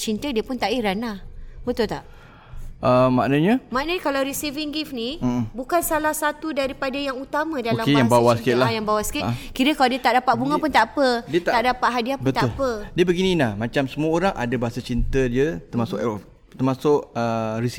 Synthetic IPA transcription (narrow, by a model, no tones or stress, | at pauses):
t͡ʃint̪ədiəpʊnt̪aʔiɾanabət̪ʊlt̪aʔ | ʔəmːaʔnəɲəmaʔnəɲəkalawɾisiviŋɡifnĩbukansalahsat̪udaɾipadajaŋut̪amãdalamejaŋbawasəkɪlajaŋbawasə̥kɪkiɾəkaladiət̪aʔdapaʔ̚buŋapʊnt̪aʔpədiət̪t̪aʔdapat̪ʔ̚ɦadiapbət̪apədiəbəɡinĩnahmat͡ʃamsəmuəoɾaŋʔa̰dabaɦasat͡ʃint̪ədiət̪ərmasʊk | t̪ərmasʊʔərisi